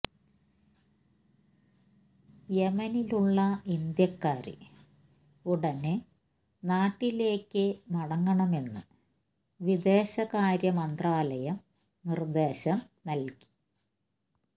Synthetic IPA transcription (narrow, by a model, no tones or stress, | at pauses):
jemɐniluɭːɐind̪jɐkːaːɾɨ̰ | uɽɐne | naːʈːile̞ːkːɨmɐɽɐŋːɐɳɐme̞nːɨ̰ | ʋid̪e̞ːɕɐɣaːɾjɐmɐnd̪raːlɐjɐm | nird̪e̞ːɕɐm | nɐlki̥